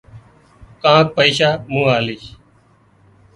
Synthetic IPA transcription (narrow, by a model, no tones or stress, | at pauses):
kãːk̚pəiːʃaːmũːaːliːʃ